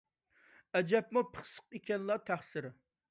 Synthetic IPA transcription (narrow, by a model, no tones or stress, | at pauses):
ɛd͡ʒɛp̚mupʰə̥χsə̥q̚ekʲɛnlˠɑt̪ʰæχsɪɾɪ